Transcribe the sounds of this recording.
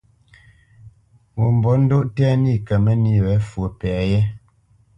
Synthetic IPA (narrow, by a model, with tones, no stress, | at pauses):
mo˨m˨bɔ˨˦n̩˦do˦ʔtɛ˦ni˦˨kə˨mɛ˦ni˦wɛ˨˦fwo˨pɛ˨a˨jɛ˦